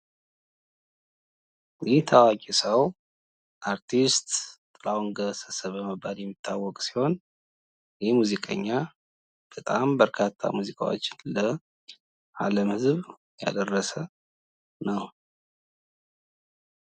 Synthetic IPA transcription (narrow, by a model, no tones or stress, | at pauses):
jɛht̪ʰawakʼisəw | ʔaɾt̪ʰist̪t̪ʼlawŋɡəsəsəβəməbːaljɛmːit̪ʰːawːɔkʼsi̥ho̞n | jɛmuzikʼə̰ɲːa | b̥ət̪ʼambəɾkʰat̪ʰːa̰muzikʰʼa̰wo̰t͡ʃːɪnlə | ʔa̰ləmhɨzβ | ja̰d̪ərːəsə | nəw